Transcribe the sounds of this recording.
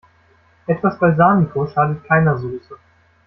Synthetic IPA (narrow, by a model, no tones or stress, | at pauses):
ʔɛtv̥asb̥aɪzaːnikʰoʃaːdət̚kʰaɪnɐzuːsə